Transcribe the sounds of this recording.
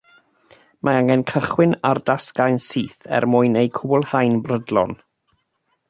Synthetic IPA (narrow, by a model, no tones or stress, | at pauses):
mʔaaŋɛnkʰəχwɪnardaskajnsiːθɛ̰rmʊjnejkʰʊbʊlˠhajnbrədlˠɔ̰n